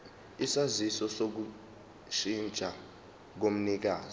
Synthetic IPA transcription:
isazisɔsok̬u | ʃint͡ʃʼa | k̬om̩nik̬aːzɔ

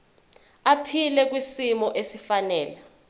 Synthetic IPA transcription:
apʰilɛk̬wisimɔʔesifanɛːla

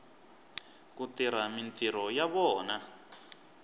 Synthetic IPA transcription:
kutiɾ̤amintiɾɔjaβɔːna

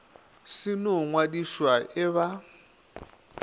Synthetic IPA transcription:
sinoŋwaɗiʃwaʔɛβa

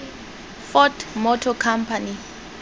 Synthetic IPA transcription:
fɔtmɔtʰɔkʰampʰani

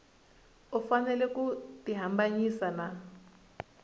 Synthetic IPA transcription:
ufanɛlɛkutiɦambaɲisana

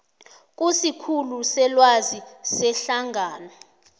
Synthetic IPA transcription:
k̬ʼusikʰulusɛlwazisɛɬaŋʱaːnɔ

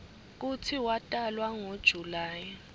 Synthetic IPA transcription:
k̬ut͡sʰiwatʼalwaŋod̥ʒ̥ʱulaːja

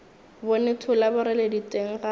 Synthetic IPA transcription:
bʊnɪtʰʊlabʊɾɪleditʼeŋ̩ɣa

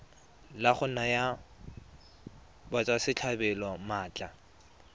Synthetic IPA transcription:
laχʊnaja | bat͡sʼwasɪt͡ɬʰabɛlɔmaːt͡ɬʼa

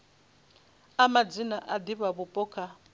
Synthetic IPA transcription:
amad͡zinaʔad̪iβaβupʼɔːkʰa

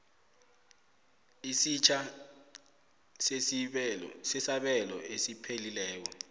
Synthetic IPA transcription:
isit͡ʃʰa | sesisɛsaɓɛlɔ̰esipʰelilɛːk̬ɔ

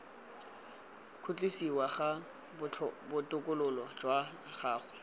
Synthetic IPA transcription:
kʰʊt͡ɬʼisiwaɣa | bʊbʊtʼʊkʼʊlʊlɔd͡ʒwa | χaːχʊ

